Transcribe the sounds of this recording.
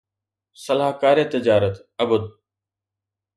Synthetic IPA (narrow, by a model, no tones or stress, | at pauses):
səlaːɦkaːɾeːt̪ɪd͡ʒaːɾət̪ | əbəd̪̚